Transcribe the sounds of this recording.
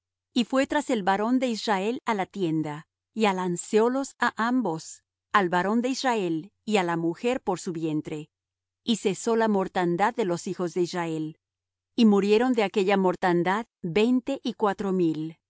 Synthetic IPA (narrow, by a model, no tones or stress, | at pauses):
ifwe̞t̪ɾase̞lβaɾo̞nd̪e̞israe̞lalat̪je̞nd̪a | ialansjo̞lo̞saʔambo̞s | alβaɾo̞nd̪e̞israe̞lialamuxe̞ɾpo̞ɾsuβje̞nt̪ɾe̞ | ise̞so̞lamo̞ɾt̪and̪aðːe̞lo̞sixo̞zðe̞israe̞l | imuɾje̞ɾo̞nd̪eake̞ʝamo̞ɾt̪and̪aðbe̞jnt̪e̞ʔikwat̪ɾo̞mil